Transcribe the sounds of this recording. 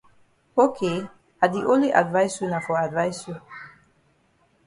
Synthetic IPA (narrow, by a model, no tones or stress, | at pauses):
okʰe | ad̪iʔoliʔa̰d̪vajsunafɔad̪vajsu